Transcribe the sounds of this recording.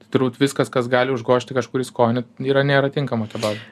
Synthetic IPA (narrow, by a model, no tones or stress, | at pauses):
t̪ɪt̪ʊrbuːt̪ʋʲɪskɐskɐsɡɑːlʲɪʊʒɡoːʃʲt̪ʲɪkɐʃkuːɾʲɪskoːnʲɛt̪iːɾɐnʲeːɾɐt̪ʲɪŋkɐmɐt̪ɐbɑːzʲɐ